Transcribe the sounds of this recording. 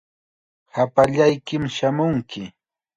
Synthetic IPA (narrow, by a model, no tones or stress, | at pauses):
hapaʎajkɪmʃamʊŋkɪ